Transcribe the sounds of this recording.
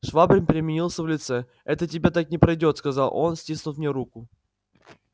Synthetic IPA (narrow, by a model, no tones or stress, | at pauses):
ʂvabɾʲɪmpʲɪɾʲɪmʲɪnʲilˠsʲəvlʲɪt̪sɛ | ɛt̪ətʲɪbʲat̪ak̚nʲɪpɾɐjdʲo̞t̪skɐzalˠʔo̞nsʲtʲisnʊt̪mʲnʲeɾukʊ